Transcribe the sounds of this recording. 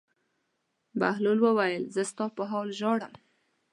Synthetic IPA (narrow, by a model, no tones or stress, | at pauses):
bahlolwəwajəlzəst̪ɑpəɦɑlʒɑɽəm